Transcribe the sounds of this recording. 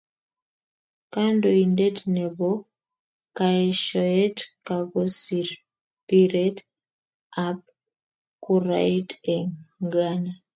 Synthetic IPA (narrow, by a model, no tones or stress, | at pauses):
kandoindetneβo | kaeʃojetkakosiɾ | piɾet | ap | kuɾa̰iteŋɡana